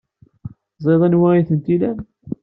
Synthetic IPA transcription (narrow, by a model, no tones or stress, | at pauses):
zˤeðˤænwæiθənt̪ilæm